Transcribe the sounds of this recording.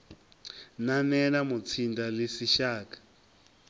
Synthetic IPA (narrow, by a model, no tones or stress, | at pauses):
nanɛnamut͡sʰindalesiʃaːkḁ